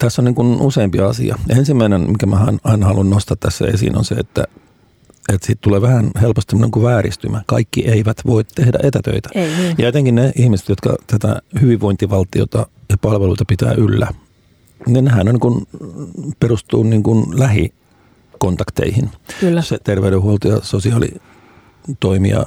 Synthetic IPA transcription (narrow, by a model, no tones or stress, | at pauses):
t̪æsːoniːŋkunuseimpiɑsḭɑ̰ensimːæinenmikæmæhɑnɑinɑhɑlunnost̪ɑt̪t̪æsːæ̰esḭːno̰nsḛḛt̪ːæ̰ | et̪siːt̪t̪uleːʋæhænhelpost̪semːoneŋkuʋæːrḭst̪ymækɑ̰ikːiʔeiʋæt̪ʋoit̪t̪ehdæ̰ʔet̪æt̪ø̰it̪æ̥jɑet̪eŋkinneʔihmise̥t̪jot̪kɑ̰t̪æt̪æ̰hyʋiʋʋoint̪iʋɑlt̪io̰t̪ɑjɑpɑlʋeluit̪ɑpit̪æ̰ːʔylːæ | ninnehænonikun | perust̪uːnniːŋkunlæhi | kont̪ɑkt̪ḛihinkːset̪erʋeyɾehuolt̪ojɑsosiɑːlḭ | t̪oimḭɑ̰